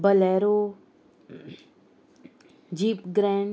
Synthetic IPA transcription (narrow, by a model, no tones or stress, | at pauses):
bəlɛːɾoː | d͡ʒiːpɡɾɛ̃ːɳ